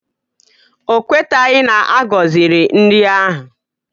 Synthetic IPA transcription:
o˨kʷe˦ta˨ɣɪ˦na˨ʔa˦ɡɔ˨zɪ˨ɾɪ˨n̩˦dɪ˦a˦ɦʊ˨

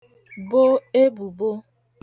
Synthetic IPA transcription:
bo˦e˦bu˨bo˦

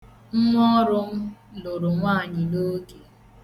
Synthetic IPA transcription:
ŋ̩˦ŋʷɔ˦ɾʊ˦m̩˦lo˨ɾo˨ŋʷaː˦˨ɲɪ˨no˦ke˨

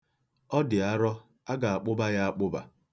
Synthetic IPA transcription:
ɔ˦dɪ˨a˦ɾɔ˦ | a˦ɡa˨a˨k͡pʊ˦ba˦ja˦a˦k͡pʊ˦ba̰˨

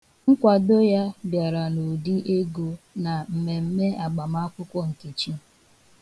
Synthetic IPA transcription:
ŋ̩˦kʷa˨do˦ja˦bja˨ɾa˨no˨di˦ʔe˦ɡo˨ | na˨m̩˨me˨m̩˦me˦a˨ɡ͡ba˨ma˦kʷʊ˦kʷɔ˦n̩˨ti˨t͡ʃi˦

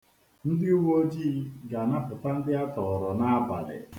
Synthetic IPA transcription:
n̩˦dɪ˦u˦wo˦d͡ʒiː˦˨˦ɡa˨na˦pʊ˨ta˦n̩˦dɪ˦a˦tɔ˨ɾɔ˨na˦a˦ba̰˨lɪ̰˨

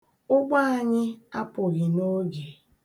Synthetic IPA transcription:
ʊ˦ɡ͡ba˦a˨ɲɪ˦a˦pʊ˨ɣɪ˨no˦ɡe˨

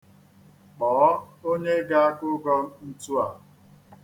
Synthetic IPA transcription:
k͡pɔː˨˦o˦ɲe˦ɡa˦a˦kʊ˦ɡɔ˦m̩˦n̩˦tu˦a˨

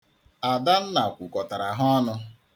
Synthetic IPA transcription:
a˨da˦n̩˦na˨kʷu˨kɔ˨ta˨ɾa˨ɦɔ˦nʊ˦

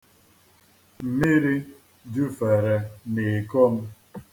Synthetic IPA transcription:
m̩˨me˦ɾi˦ | d͡ʒu˦fɛ˨ɾɛ˨ne˨kɔ˦m̩˦

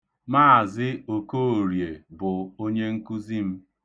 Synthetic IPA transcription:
maː˦˨zɪ˦o˨ko˦˨ɾje˨bʊ˨o˦ɲe˦ŋ̩˦ku˦zi˦m̩˦

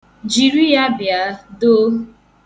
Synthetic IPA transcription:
d͡ʒi˨ɾi˦ja˦bja˨˦do˦

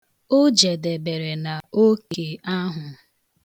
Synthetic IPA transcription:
o˦d͡ʒe˨de˨be˨ɾe˨na˨o˦ke˨a˦ɦʊ˨

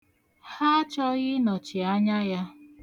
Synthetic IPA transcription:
ha˦t͡ʃɔ˦ɣɪ˦nɔ˨t͡ʃɪ˨a˦ɲa˦ja˦

